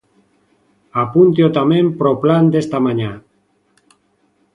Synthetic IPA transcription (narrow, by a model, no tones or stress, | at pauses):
apunt̪̬jot̪amẽmpɾopland̪est̪amaɲa